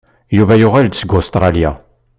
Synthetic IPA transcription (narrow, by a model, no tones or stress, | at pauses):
juvæjʊʁæld̪səɡost̪ɾˤɑlja̰